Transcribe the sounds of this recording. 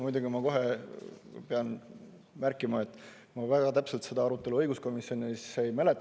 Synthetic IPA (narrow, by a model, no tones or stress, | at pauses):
mujd̪uɡ̥imɑko̞ɦe̞ | peɑn | mærkːˑimɑe̞t̪ːˑ | mɑvæɡ̥ɑt̪æpselt̪se̞d̪ɑɑɾut̪ˑːe̞luɤjɡusko̞misjo̞nisejmæle̞t̪ːˑ